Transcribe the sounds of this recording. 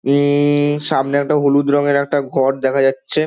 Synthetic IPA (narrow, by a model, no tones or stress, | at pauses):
ʃamneɛk̚ʈaɦolud̪ɾɔŋeɾɛk̚ʈaɡʱɔɾd̪ɛkʰad͡ʑatːɕʰe